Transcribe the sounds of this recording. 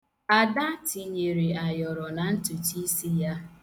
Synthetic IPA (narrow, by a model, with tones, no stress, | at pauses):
a˨da˦ti˨ɲe˨ɾi˨a˨jɔ˨ɾɔ˨na˨n̩˦tu˨ti˦si˦ja˦